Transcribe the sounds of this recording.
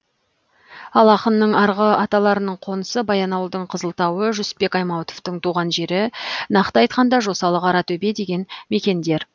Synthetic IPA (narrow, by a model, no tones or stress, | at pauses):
ɑlˠɑqənːəɴɑɾʁəɑt̪ɑlˠɑɾənəɴqʰo̞nəsəbɑjɑnɑwəlˠd̪əɴqʰəzəlˠt̪ɑwəʒʏspe̞kɑjmɑwt̪oft̪əɴt̪ʰuʁɑnʒe̞ɾɪnɑqt̪əɑjt̪̚qɑnd̪ɑʒo̞sɑlˠəqɑɾɑt̪ʰɵbe̞d̪e̞ɡʲe̞nme̞kʲe̞nd̪e̞ɾ